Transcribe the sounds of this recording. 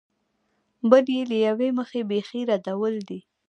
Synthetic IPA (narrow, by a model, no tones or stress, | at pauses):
bəljeləjaweməxebexiɾad̪awəld̪i